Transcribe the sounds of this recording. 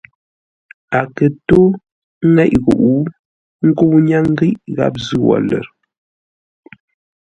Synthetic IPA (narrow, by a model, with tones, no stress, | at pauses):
a˨kə˨to˦ | ŋɛ˦˨ʔɣo˨ʔu˦ | ŋ̩˦ko˦wɲa˦ŋ̩˦ɡi˦ʔɣa̰˦p̚zɨ˦wɔ̰˨lə̰˨ɾ